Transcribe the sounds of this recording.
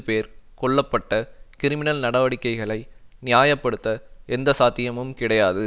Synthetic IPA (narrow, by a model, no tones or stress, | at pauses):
peːɾkɔɭːɐpːɐʈːɐkɪɾɪmɪnɐlnɐɽɐʋɐɽɪkːɐɪɣɐɭɐɪnɪjaːjɐpːɐɽɯt̪ːɐɛnd̪ɐsaːt̪ːɪjɐmɯmkɪɽɐjaːðɯ